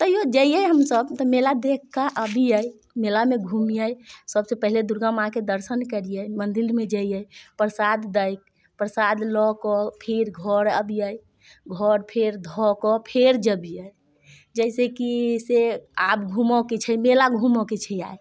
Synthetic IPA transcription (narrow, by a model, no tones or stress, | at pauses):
t̪ɔjod͡ʒəijəjɦəmsəbt̪ɔmelad̪ekʰkaʔəbʱiəj | melameɡʱumijəjsəbsepəɦiled̪uɾɡãmãked̪əɾsənkəɾijəjmənd̪iɾmed͡ʒəjjəjpɾsad̪ːəjk̚ | pɾəsad̪lɔkɔpʰeɾɡʱɔɾəbʱijəj | ɡʱɔɾpʰeɾd̪ʱɔkɔpʰeɾd͡ʒəbʱijəj | d͡ʒəɪsekiseapɡʱumɔket͡ʃʰɛjmelaɡʱumɔket͡ʃʰɛa̰j